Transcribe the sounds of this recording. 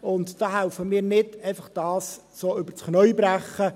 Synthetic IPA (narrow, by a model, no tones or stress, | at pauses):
ʊntd̥ɑːɦæʊfəmiːɾnɪdɛɪfɑχd̥ɑːs | soːʏb̥əɾt͡sχnœʏbɾæχə